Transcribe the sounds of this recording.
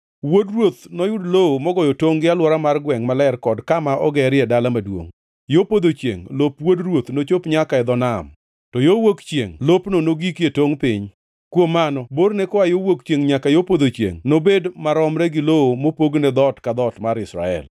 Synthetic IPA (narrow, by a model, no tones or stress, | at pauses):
wodrwot̪nɔjʊdloomɔɡɔjotoŋɡɪalwɔɾamarɡwɛŋmalɛrkɔdkamaʔɔɡɛɾɪɛdalamadwo̰ŋ | jopod̪ot͡ʃjḛŋlopwodrwot̪not͡ʃopɲakaɛd̪ɔnam | tɔjowokt͡ʃjḛŋlopnonoɡikjetoŋpɪɲ | kwomanɔboɾnekɔajowokt͡ʃeŋɲakajopod̪ot͡ʃjḛŋnobedmaɾɔmɾɛɡɪloomopoɡned̪ɔtkad̪ɔtmaɾɪsɾa̰ɛ̰l